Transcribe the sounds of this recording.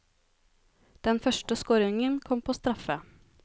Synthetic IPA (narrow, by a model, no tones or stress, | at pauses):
d̪̥ɛnfœʂʈəskoːɾɪŋənkʰɔmpʰoːst̪ɾɑfə